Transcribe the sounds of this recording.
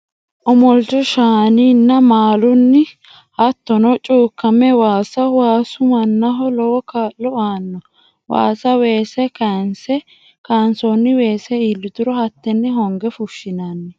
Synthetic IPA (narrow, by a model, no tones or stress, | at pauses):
ʔɔmɔlt͡ʃɔʃaːniːnːɐmaːlʊnːɪ | hɐt̪ːɔnɔt͡ʃʼuːkːɐmɛwaːsɐwaːsʊmɐnːɐɦɔlɔwɔkaːlːɔaːnːɔ | wa̰ːsɐwe̞ːsɛkansɛ | kaːnsɔnːɪwe̞ːsɛilːɪd̪ʊɾɔhɐt̪ːɛnːɛɦɔŋɡɛfʊʃːɪnɐnːɛ